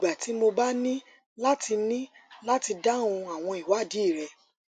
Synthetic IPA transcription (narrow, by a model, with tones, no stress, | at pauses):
ɡ͡ba˨ti˨˦mo˧ba˦nĩ˦ | la˦ti˧nĩ˦la˦ti˧da˦˨ũ˧a˨w̃ɔ̃˧i˨wa˨˦˨di˨˦˨ɾɛ˧